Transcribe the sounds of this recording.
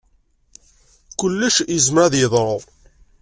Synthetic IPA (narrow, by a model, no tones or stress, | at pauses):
kʊlːəʃizmɾæðjɪðˤɾˤðˤ